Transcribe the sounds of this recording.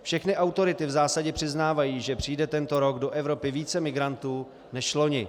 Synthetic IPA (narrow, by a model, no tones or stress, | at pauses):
fʃɛxnɪʔawt̪o̞ɾɪt̪ɪvzaːsaɟɛpr̝̥ɪznaːvajiːʒɛpr̝̥ijdɛt̪ɛnt̪o̞ɾo̞ɡdo̞ʔɛvɾo̞pɪviːt͡sɛmɪɡɾant̪uː | nɛʃlo̞ɲɪ